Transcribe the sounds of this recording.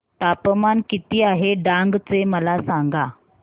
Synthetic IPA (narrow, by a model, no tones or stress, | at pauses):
t̪apmankit̪iːaɦeɖaŋɡt͡seməlasaŋɡa